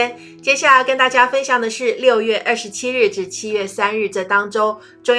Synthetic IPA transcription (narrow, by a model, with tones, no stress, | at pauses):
n | t͡ɕjɛ˥ɕja˥˩la˨˩ɪkə˥nt̪a˥˩t͡ɕja˥fə˥nɕjɑ˨˩ŋd̪ə˩ʂɻ̩˥˧ljo˥˧ʊɥɛ˥˧ʔə˥˩ʂɻt͡ɕʰi˥ɻɻ̩˥˩ʈ͡ʂɻ̩˥˩t͡ɕʰi˥ɥɛ˥˩sa˥nɻɻ̩˥˩t͡sə˥˩t̪ɑ˥ŋʈ͡ʂo˥ʊ | ʈ͡ʂʊ˥˧ŋ